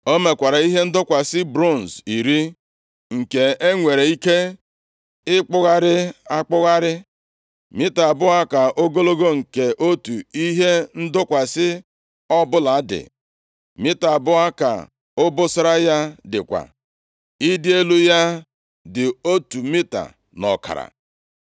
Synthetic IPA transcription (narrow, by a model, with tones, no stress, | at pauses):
o˦me˨kʷa˨ɾa˨i˦ɦe˦n̩˦dʊ˦kʷa˨sɪ˦bɾo˦˨n̩˨zi˨ɾi˦ | ŋ̩˨ke˨e˦ŋʷe˨ɾe˨i˦ke˦ | ɪ˦k͡pʊ˦ɣa˦ɾɪ˦a˦k͡pʊ˦ɣa˦ɾɪ˦ | mɪ˦ta˨bʊ˦ɣa˦ka˨ʔo˦ɡo˦lo˦ɡo˦ŋ̩˨ke˨ʔo˦tu˨i˦ɦe˦n̩˦dʊ˦kʷa˨sɪ˦ | ɔ˦bʊ˦la˨˦dɪ̰˨ | mɪ˦ta˨bʊ˦ɣa˦ka̰˨ | ʊ˦bʊ˦sɪ˦ɾa˦ja˦dɪ̰˨kʷa̰˨ | i˦dɪ˦e˦lu˦ja˦ | dɪ˨o˦tu˨mi˦ta̰˨ | nɔ̰˨ka̰˨ɾa̰˨